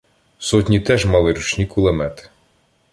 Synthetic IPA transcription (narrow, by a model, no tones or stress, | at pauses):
sɔtʲnʲit̪ɛʒmɐlˠɪɾut͡ʃnʲikʊlˠemɛt̪ɪ̥